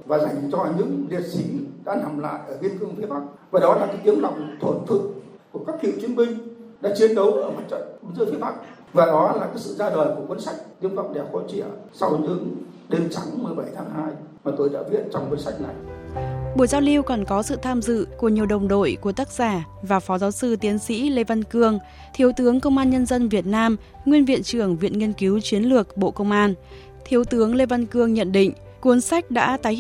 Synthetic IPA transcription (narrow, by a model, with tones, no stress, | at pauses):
vaː˨˩za˨˩jŋ̟t͡ɕɔ˧ɲɨ̰˧˥ŋlḭ˨˩ət̚si˨˧˦ɗa̰ː˧˥na˨˩mla̰ː˧˨jʔəː˧˩vi˧ənkɨ˧əŋfi˨˦ɓa˦˥k̚ | vaː˨˩ɗɔ˨˦laː˨˩kaː˨˦ʔi˨˦ənva̰˧˨wŋ͡mt̪ʰwə˧˩nt̪ʰɨ̰˧˨ | ku˧˩əkaː˦˥k̚kḭ˧˨wt͡ɕi˨˧˦ənmï˧ŋ̟ɗa̰ː˧˥t͡ɕi˨˦ənɗə˨˦wʔəː˧˩mə˨˩t̚t͡ɕə̰˧˨nzɨ̰˧˥fi˨˦ɓa˦˥k̚ | vaː˨˩ɗɔ˨˦laː˨˩kaː˨˦jsɨ̰˧˨zaː˧ɗəː˨˩jku˧˩əkwə˧˦nsa˦˥jk̟̚ʔi˧əŋva̰˧˨wŋ͡mɗɛ˨˩p̚xo̰˧˥t͡ɕḭ˧˨əsa˧wɲɨ̰˧˥ŋ | ɗe˨˧nt͡ɕa˨˦ŋmɨ˨˩əjɓa˧˩jt̪ʰaː˨˦ŋhaː˧j | maː˨˩t̪o˧jɗa̰ː˧˥vi˧˥ən̚t͡ɕɔ˧wŋ͡mku˧˦nsa˦˥jk̟̚na˨˩j | ɓu˧˩jzaː˧wli˧wkɔ˨˩nkɔ˨˦sɨ̰˧˨t̪ʰaː˧mzɨ̰˧˨ku˧˩əɲi˨˩əwɗə˨˩wŋ͡mɗo̰˧˨jku˧˩ət̪aː˦˥k̚z̥aː˧˩ | vaː˨˩fɔ˨˦zaː˨˦wsɨ˧t̪i˨˦ənsḭ˧˥le˧va˧nkɨ˧əŋ | t̪ʰi˨˦əwt̪ɨ˨˦əŋkə˧wŋ͡mʔaː˧nɲə˧nzə˧nvi˨˩ət̚naː˧m | ŋwi˧ənvḭ˧˨ənt͡ɕɨ˧˩əŋvḭ˧˨ənŋi˧ənki˨˦wt͡ɕwi˨˦ənlɨ˨˩ək̚ɓo̰˧˨kə˧wŋ͡mʔaː˧n | t̪ʰi˨˦əwt̪ɨ˨˦əŋle˧va˧nkɨ˧əŋɲə̰˧˨nɗḭ̈˧˨ŋ̟ | ku˨˦ənsa˦˥jk̟̚ɗa̰ː˧˥t̪aː˨˦j